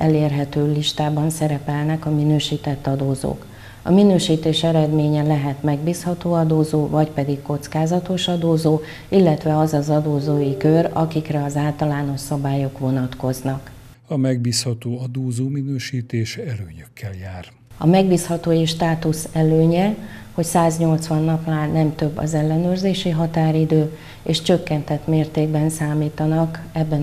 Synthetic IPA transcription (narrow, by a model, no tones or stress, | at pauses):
ɛleːrɦɛt̪øːliʃt̪aːbɒnsɛɾɛpɛlnɛkɒminøːʃiːt̪ɛt̪ːɒd̪oːzo̰ːk | ɒ̰minøːʃiːt̪eːʃɛɾɛd̪meːɲɛlɛɦɛt̪mɛɡbiːshɒt̪oːɒd̪oːzoːvɒcpɛd̪ikko̞t̪skaːzɒt̪o̞ʃɒd̪oːzoː | ilːɛt̪ʋɛɒzɒzɒd̪oːzoːjikørɒ̰kikrɛɒzaːlt̪ɒlaːno̞ʃsɒbaːjo̞kʋo̞nɒt̪ko̞znɒk | ɒmɛɡ̚biːshɒt̪oːɒd̪oːzoːminøːʃiːt̪eːʃɛlø̰ːɲøkʰːɛljaːr | ɒmɛɡbiːshɒt̪oːjiʃt̪aːt̪usɛløːɲɛho̞csaːzɲo̞lt̪sʋɒnːɒplaːnːɛmt̪ø̞bːɒ̰zɛlːɛnøːrzeːʃiɦɒt̪aːɾid̪øː | eːʃt͡ʃø̞kːɛnt̪ɛt̪meːrt̪eːɡbɛnsaːmiːt̪ɒnɒkɛbːɛ